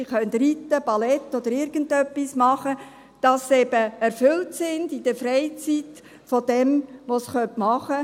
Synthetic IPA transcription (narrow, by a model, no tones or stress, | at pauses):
iχœnt̪ritːəbɑlɛtːɔd̥̪əɾɪɾɡ̥əndœpːismɑχə | d̥ɑsɛb̥əɛɾfʏltsɪndid̥əfɾɛɪt͡sit | fod̥ɛmʋosχœntmɑχə